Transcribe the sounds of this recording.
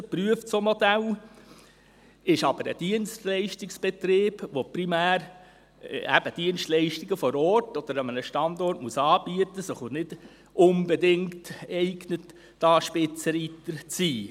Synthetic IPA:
əpryəft͡somɔd̪æl | ɪʃɑb̥əɾə̰d̥iənstlɛɪʃtɪksb̥ɛt̪ɾeːb̥ʋopɾimæːɾ | æb̥əd̥iənstlɛɪʃtiɡəfɔɾɔrtɔd̥̪əɾəmənəʃtɑnd̪ɔrtmuəsɑːbiət̪ːəsəχonɪd̥ | ʊnbɛdɪŋktɛɪɡnətː | ɑːʃpɪt͡səɾit̪əɾt͡siː

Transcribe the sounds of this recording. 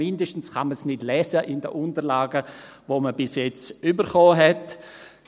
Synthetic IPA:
ɪndəʃtn̩sχɑməsnɪdlɛːsəʔɪndə̰ʔʊntəɾlaːɡəʋoməbɪsjɛt͡sybəɾχɔːɦɛt

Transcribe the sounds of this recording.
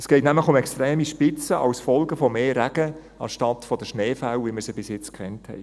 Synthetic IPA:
ɛsɡ̥ɛɪtnæmləχʊmɛkst̪ɾeːmiʃpɪt͡səʔɑ̰wsfɔlɡəfɔmeːɾæɡ̥ə | ɑnʃtɑtfɔd̥əʃneːfawʋiməɾsəbɪsjɪt͡skχɛnthɛ̰ɪ

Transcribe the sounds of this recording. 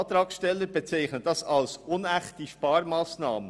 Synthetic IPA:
t̪ɾɑːksʃtɛlːəɾbet͡sɛɪχnəd̥ɑsɑlsʊnæχtiʃpɑːɾmaːsnɑ̰ːmə

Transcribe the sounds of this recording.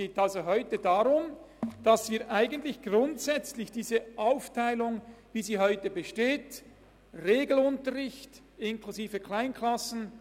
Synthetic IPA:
ɡ̥eːtalzoɦɔʏtədaʁʊm | d̥ɑsv̥iːɐʔaɪɡən̩tlɪçɡ̥ʁʊntsɛt͡slɪçd̥iːzəʔaʊftʰaɪlʊŋviːziːɦɔʏtəbəʃteːt | ʁeːɡl̩ʊntəʁɪçt | ɪnkʰluziːvəkʰlaɪnkʰlɑsn̩

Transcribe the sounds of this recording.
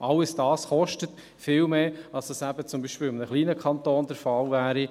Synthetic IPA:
ʔɑlːəsd̥ɑːsχɔʃtət | fɪːlmeːɑlsd̥ɑsæbət͡sʊmbiːʃpɪlɪmnəχliːnəkʰɑntoːnd̥ɛɾfɑlvæːɾi

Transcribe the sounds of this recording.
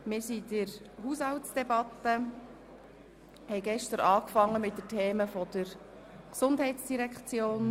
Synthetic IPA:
mɪːɾsidɪɾ | ɦuːshɑltsd̥ɛbɑt̪ːə | hɛɪɡɛʃtəɾɑːkfɑŋːəmɪt̚dətʰeːməfɔd̪̥əɾ | ksʊndɦɛɪtsd̥iɾɛkχt͡sjoːn

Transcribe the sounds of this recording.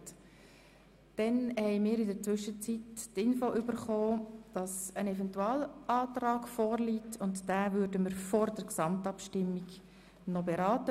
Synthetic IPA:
t | d̥ɛnhɛɪmiːɾɪdəɾt͡sʋʏʃət͡sittɪnfoːʔybəɾχoːd̥ɑsənɛvɛntuɑːlʔɑːtɾɑːɡfɔːɾliːtʰʊntd̥æːvʏːɾdəməɾfɔɾdəɾksɑmtɑpʃtɪmːiɡ | nɔbeɾɑːtə

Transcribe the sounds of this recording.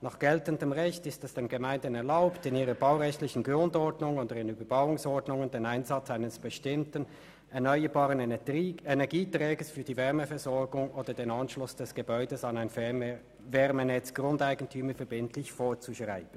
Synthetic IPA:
nɑːχɡ̥ɛltəndəmʁɛçtɪstɛsd̥eːmɡemaɪndənɛɐlaʊptɪniːʁɐbaʊʁɛçtlɪçən̩ɡʁʊndɔɐdnʊŋoːdəʁɪnyːbɐbaʊʊŋsɔɐdnʊŋəndeːnaɪnzɑt͡saɪnəsb̥əʃtɪmtən | ɛɐnɔʏəbɑːʁənenɛɐɡiːtʁɛːɡəsfyːɐdiːvɛʁməfɛɐzɔɐɡʊŋʔoːdɐdeːnɑnʃlʊsd̥ɛsɡ̥əbɔʏdəsɑnaɪn | vɛʁmənɛt͡sɡ̥ʁʊndaɪɡən̩tʰyːməfɛɐbɪntʰlɪçfoːɐt͡suʃʁa̰ɪb̥n̩

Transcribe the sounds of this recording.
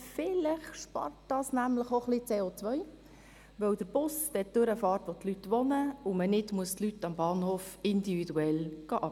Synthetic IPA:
fɪlɪχʃpɑ̰rtd̥ɑsnæmlɪχoχlit͡seːot͡sʋœj | ʋœwd̥əɾb̥ʊsd̥ɛd̥ʉɾəfɑːrtʋotlytʋonəʊmənɪdmuəstlytːɑmbɑːnhoːfɪndividuɛlɡ̥ɑʔɑ

